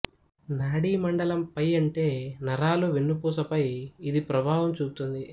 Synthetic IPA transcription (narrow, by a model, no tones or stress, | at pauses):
naːɽiːmɐɳɖɐlɐmpɐjɐɳʈe̞ːnɐɾaːloːʋenːupuːs̬ɐpɐjid̪ipɾɐbʱaːʋɐmt͡ʃuːput̪und̪i